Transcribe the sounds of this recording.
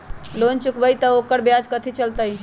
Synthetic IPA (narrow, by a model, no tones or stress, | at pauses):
lont͡ʃukbəjt̪əokəɾbjad͡ʒkət̪ʰit͡ʃəlt̪əj